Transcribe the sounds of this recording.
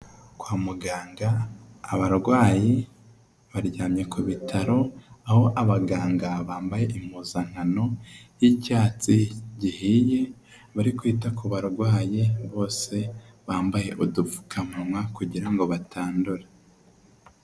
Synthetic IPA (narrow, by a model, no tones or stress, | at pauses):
kwaːmuɡaːŋɡaːβaɾɡwaːji | βaɾɟaːmɲe̞kuβitʰaɾo̞aho̞ʔaβaɡaːŋɡaβaːmbaje̞ʔim̥uzaŋ̥ano̞jicaːt͡siɟihije̞ | βaɾikwiːtakuβaɾɡwaːjiβo̞ːse̞ | βaːmbaje̞ʔudufu̥kʰamumwakuɟiɾaŋɡo̞βatʰaːnduɾa